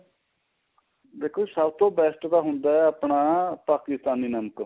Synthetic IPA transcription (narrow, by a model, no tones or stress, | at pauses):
b̪eːkʰoːsəbt̪õːbɛːsʈd̪aːɦʊnd̪aːɛːəpɳaːpaːkɪst̪aːniːnəmək